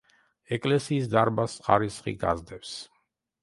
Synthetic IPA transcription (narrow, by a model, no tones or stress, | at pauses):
ɛkʼlɛsiːs̬d̪aɾbasχaɾisχḭɡa̰zd̪ɛps